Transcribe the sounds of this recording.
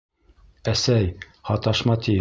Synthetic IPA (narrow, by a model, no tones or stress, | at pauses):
æsæj | hɑt̪ɑʃmɑt̪i